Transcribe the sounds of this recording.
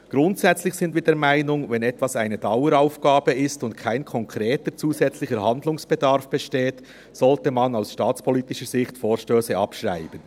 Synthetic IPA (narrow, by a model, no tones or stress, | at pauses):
ɡ̥ʁʊntsɛt͡slɪxsɪndviːdɛːɐɾmaɪnʊŋvɛnɛtvɑsaɪnəd̥ɑʊəɾaʊfɡ̥aːbəɪstʊntkʰaɪnkʰɔŋkʰʁeːtəɾt͡suːzɛt͡slɪçəɾɦɑndlʊŋsb̥ɛdɑɾfb̥ɛʃteːt | sɔltəmɑnaʊsʃtɑːt͡spʰɔliːtɪʃəz̥ɪçtfoːɾʃtøːsəʔɑpʃʁa̰ɪb̥ən